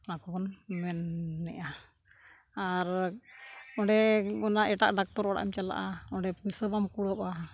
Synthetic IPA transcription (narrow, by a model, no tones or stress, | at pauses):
akɔbɔnmɛnːɛ̰ʔa | aɾ | ɔ̃ɖɛɔnaʔɛʈa̰ʔɖak̚t̪ɔɾɔɽa̰ʔḭmt͡ʃala̰ʔaɔ̃ɖɛpusəbamkuɽəpa